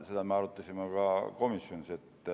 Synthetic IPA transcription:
sit̪æmeɑrot̪ːesimːɑkɑkomisːjonset̪ːe

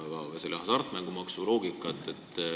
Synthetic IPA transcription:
evɑselɑhɑsɑrt̪ːˑmæŋɡ̥umɑksulo̞ːɡikːˑɑt̪ːˑet̪ˑː

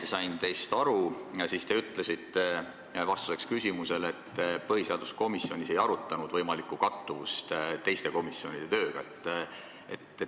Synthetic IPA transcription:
t̪esɑjnt̪e̞jst̪ɑɾusist̪e̞yt̪ːˑlesit̪ːˑe̞ | vɑst̪u̥se̞kskysʲimuse̞le̞t̪ːpɤɦiseɑld̪usko̞misːio̞nʲise̞jɑɾut̪ːˑɑnud̪vɤjmɑlikːˑukɑt̪ːuvust̪t̪e̞jst̪e̞ko̞misːio̞nid̥̪e̞t̪ø̞ːɡ̥ɑ̰et̪ːˑ | et̪ːe

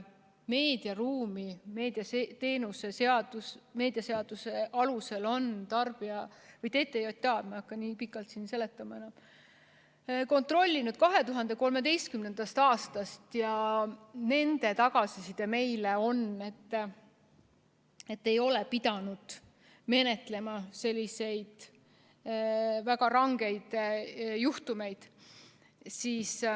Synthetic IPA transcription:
me̞ːd̪̥iɑruːmime̞ːd̪̥iɑset̪e̞ːnuse̞seɑd̥̪usme̞ːd̪̥iɑse̞ɑd̪̥use̞ʔɑluse̞lo̞nt̪ɑrb̥iɑvɤjt̪e̞ːt̪ːˑejot̪ʲːɑd̪mɑɑkːɑniːpikːˑɑlt̪sinse̞le̞t̪ːˑɑmɑe̞nɑm | ko̞nt̪ro̞lʲːinud̪̥̚kɑɦe̞t̪uɦɑnd̪̥e̞ko̞lme̞d̪e̞jst̪̚kymne̞nd̪̥ɑst̪ɑːst̪ɑst̪jɑ | ne̞nd̪̥e̞t̪ɑɡ̥ɑsisid̪̥eme̞jle̞o̞ne̞t̪ː | e̞t̪ːe̞jo̞lepid̪̥ɑnud̪̥ | me̞ne̞t̪le̞mɑse̞lʲːise̞jd̪̥ | væɡɑɾɑŋɡe̞jd̪̥juht̪ume̞jd̪̥ | siːs

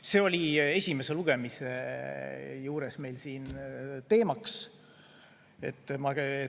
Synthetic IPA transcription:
se̞o̞lʲie̞sʲime̞se̞luɡ̥e̞mise | juːɾe̞sme̞jlsiːnt̪e̞ːmɑks | e̞̰t̪ːˑmɑe

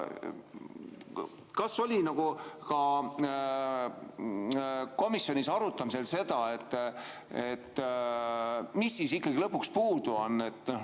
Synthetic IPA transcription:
kɑso̞lʲinɑɡ̥ukɑ | ko̞misjo̞nisɑɾut̪ːˑɑmise̞lse̞d̪ɑet̪ː | et̪ː | misːisikːɑɡilɤpːukspuːd̪̥uonːe̞t̪ːˑ

